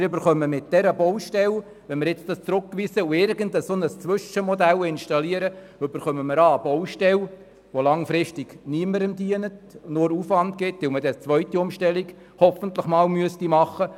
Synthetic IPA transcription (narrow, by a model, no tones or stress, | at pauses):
ɾʏbəɾχœmːəmɪt̚d̥ɛɾəbɔwʃtɛl | ʋɛnmɪɾjɪt͡stɑst͡sɾʊkːʋiːsəuɪrɡəndəsonəst͡sʋʏʃəmɔdælɪnʃtɑliəɾə | øbəɾχœməməɾɑːbɔwʃtɛl | ʋolɑŋfɾɪʃtiɡ̥niəməɾəmdiənətnʊɾufʋɑntɡɪtʋɪlmədɛt͡sʋœʏɥtiʊmʃtɛliɡ̥ | hɔfəntləχmɑːlmyəstimɑχːə